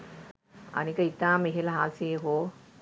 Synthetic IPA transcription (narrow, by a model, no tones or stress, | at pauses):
a̰nikəit̪aːmeɦeləɦaːseɦoː